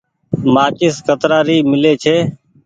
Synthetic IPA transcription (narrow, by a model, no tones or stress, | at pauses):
maːt͡ʃɪskət̪ɾaːɾiːmɪleːt͡ʃʰeː